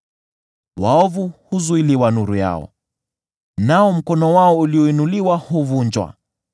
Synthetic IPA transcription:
waɔvuhuzuiliwanuɾuja̰ɔ̰ | naɔm̩kɔnɔwaɔuliɔinuliwahuvuɲd͡ʒwa̰

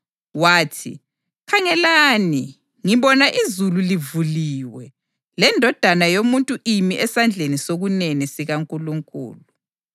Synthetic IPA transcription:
waːtʰḭ | kʰaŋɛlani | ŋiβɔnaʔizululivuliwɛ | lɛndʱɔd̥ʱanajomuntʼuʔimiʔɛsand͡ɮʱenisoɣunɛnisiɣaŋkʼuluŋkʼṵːlu

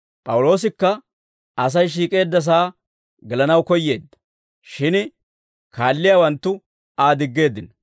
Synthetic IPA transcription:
pʼɐwʊlo̞ːs̬ɪkːɐ | ɐs̬ɐjʃ̬iːkʼe̞ːd̪ːɐs̬aː | ɡɛlɐnɐwkɔjːe̞ːd̪ːɐ̥ | ʃɪn | kaːlːɪjawɐnt̪ːʊ | aːd̪ɪɡːe̞ːd̪ːɪn

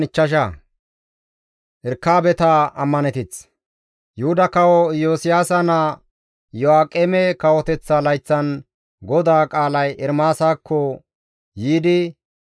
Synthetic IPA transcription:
nɪt͡ʃːɐʃ̬a | ʔɛɾkːaːbɛt̪aɐmːɐnɛt̪ɪt͡s | jʊhʊd̪ɐkɐwɔjoːsɪjaːsɐnɐ | jɔaːkʼːɛːmɛkɐwɔt̪ɛt͡sːɐlɐjt͡sːɐn | ɡɔd̪aːkʼaːlɐjʔɛɾmaːsaːkʰːɔ | jiːd̪ɪ

